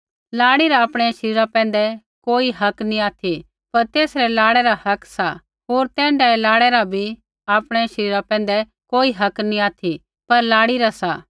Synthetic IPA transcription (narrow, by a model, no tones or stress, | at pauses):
laːɽiɾaaːpɽ̃ɛʃəɾiːɾapɛ̃ːn̆d̪ɛ | koːiɦɐknĩaːt̪ʰi | pɐɾt̪eːsɾɛlaːɽɛɾahɐksa | ɦoːɾt̪ɛ̃ːɳɖaɛlaːɽɛɾabʱi | aːpɽ̃ɛʃəɾiːɾapɛ̃ːn̆d̪ɛ | koːiɦɐknĩaːt̪ʰi | pɐɾlaːɽiɾasa